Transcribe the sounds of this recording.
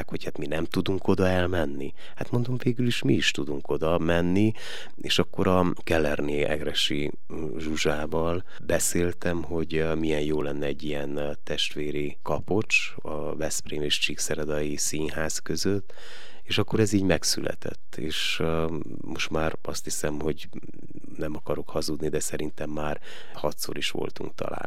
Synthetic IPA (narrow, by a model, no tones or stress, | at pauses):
kho̞chat̪minɛmt̪ud̪uŋkʰo̞d̪ɒɛlmɛnːi | hat̪mo̞nd̪o̞ɱveːɡyliʃmiiʃt̪ud̪uŋko̞d̪ɒmɛnːi | eːʃɒkːo̞ɾɒ | kɛlɛrneːʔɛ̰ɡrɛʃi | ʒuʒaːvɒl | bɛseːlt̪ɛmɦo̞ɟ | mijɛnjoːlɛnːɛːɟːijɛn | t̪ɛʃt̪ʋeːɾi | kɒpo̞t͡ʃ | ɒ̰ | vɛspreːmeːʃt͡ʃiksɛɾɛd̪ɒjisiːnɦaːzkø̞zøt̪ː | eːʃɒkːo̞ɾɛziːɟmɛksylɛ̰t̪ɛ̰t̪ːḛːʃ | mo̞ʃt̪maːrɒst̪hisɛmho̞ɟ | nɛmɒkɒɾo̞khɒzud̪nid̪ɛsɛɾint̪ɛmːaːr | hɒt̪so̞̰ɾiʃʋo̞̰lt̪ṵŋk̚t̪ɒ̰la̰ːn